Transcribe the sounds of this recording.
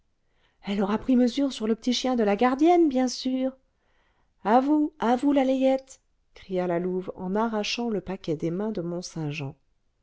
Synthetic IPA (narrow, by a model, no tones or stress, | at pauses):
ɛlɔʁapχiməzyʁsyʁləpət̪iʃjɛ̃d̪əlaɡaʁd̪jɛnbjɛ̃syːʁ | avuavulalejɛt̪ | kχijalaluvɑ̰̃naʁaʃɑ̃ləpakʲɛd̪emɛ̃d̪əmɔ̃sɛ̃ʒɑ̃